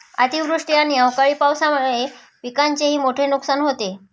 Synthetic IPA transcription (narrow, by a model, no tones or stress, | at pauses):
a̰t̪iʋɾuʂʈianiəwkaɭiːpawsaməde | pikaɲt͡ɕeɦiːmoʈʰenuksanɦot̪e